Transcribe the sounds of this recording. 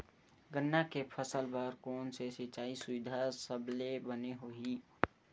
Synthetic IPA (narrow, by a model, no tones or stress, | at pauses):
ɡənːakepʰəsəlbəɾkoːnsesɪt͡ʃaːisʊʋɪd̪ʱasəblebəneɦoɦi